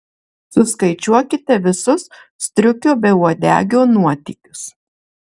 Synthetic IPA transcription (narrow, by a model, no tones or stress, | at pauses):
sʊskɐɪt͡ʃʲuɔkʲɪt̪ʲɛʋʲɪsʊssʲt̪ʲɾʲʊkʲoːbʲɛuɔd̪ʲæ̰ːɡʲoːnuɔt̪ʲiːkʲʊs